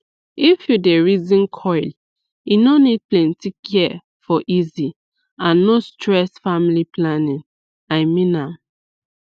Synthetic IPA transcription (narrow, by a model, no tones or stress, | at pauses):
ifjudeɹizĩnkʰɔɪl | inonid̚plɛ̃ntikʰɛ | fɔʔizi | ãnːostɹɛsfamiliplanĩŋ | aɪmĩnam